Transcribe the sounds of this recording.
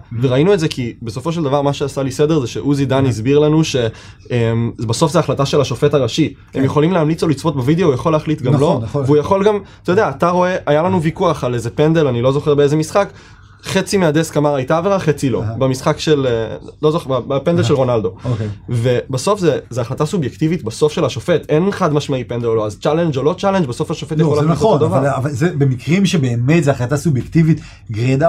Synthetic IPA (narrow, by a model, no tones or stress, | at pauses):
veʁainuetzekibe̞so̞fo̞ʃ̬eld̪avaʁmaʃeasalised̪e̞ʁzeʃeʔuzid̪anizbiʁlanuʃe̞ | embaso̞fzeaχlataʃe̞laʃo̞fetaʁaʃi | emjeχo̞limleamlit͡solit͡sfo̞t̪bavid̪eoujaχo̞leaχlit̪ɡamloveujaχo̞lɡamt̪ajod̪eaːt̪aʁo̞e̞ʔajalanuvikuaχale̞zepend̪e̞lanilo̞zo̞χe̞ʁbeeze̞misχak | χe̞t͡simead̪eskamaʁajt̪aːveʁaχet͡silo̞̰bamisχakʃe̞lelo̞zoabapend̪elʃelʁo̞nald̪o̞okeve̞baso̞fzezeaχlat̪asubjekt̪ivit̪baso̞fʃe̞laʃofet̪e̞nχadmaʃmaipend̪eloloazt͡ʃale̞nd͡ʒolo̞t͡ʃale̞nd͡ʒbaso̞faʃofet̪jaχolaaod̪ovaavazebemikʁimʃebeːmet̪zeaχlat̪asubjekt̪ivit̪ | ɡʁid̪a